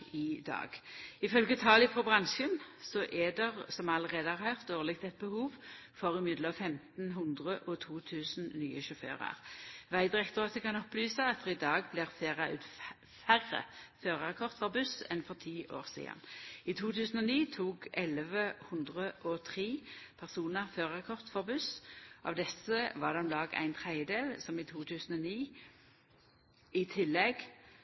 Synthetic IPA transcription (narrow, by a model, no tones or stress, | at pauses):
ɪd̪ɑ̰ːɡɪfœlɡət̪ʰɑːlɪfʁɔbʁɑnʃənsɔʔɛd̪ɛʁsɔmɑləʁeːd̪əhɑʁhœʁt̪oːʁlɪɡ̚t̪ɛt̪̚bəhuːʋ | fɔʁɪmɪd̪ləɑfɛmt̪nɦʊnd̪ʁəʔɔt̪ʰuːt̪ʰʉːsnnyːəʃɔfø̰ːʁɑ̰ʁʋæɪd̪ʁɛkt̪ɔɑt̪d̪ɛkɑnɔplyːsəɑt̪̚d̪ɛʁɪd̪ɑːɡ̚blɪːʁfeːʁɑʉ̰ːt̪ | fæʁːə̰føːʁəʁɛkʰɔʁt̪fɔʁbʉsɛ̰nfɔʁt̪ʰiːʔo̰ːʁsḭːɑ̰niːt̪ʰuːt̪ʰʉːsn̩ɔniːt̪ʰuːɡɛləʋəhʉnd̪ʁəʔɔt̪ʰʁiːpʰæʁsuːnəʁføːʁʁɛkʰɔʁt̪fɔʁbʉsʔɑ̰ʋd̪ɛsːəʋɑd̪ɛmlɑːɡæ̰ɪnt̪ʰʁæɪəd̪eːlsɔmiːt̪ʰuːt̪ʰʉːsn̩ɔniː | ɪt̪ʰɪlːɛɡ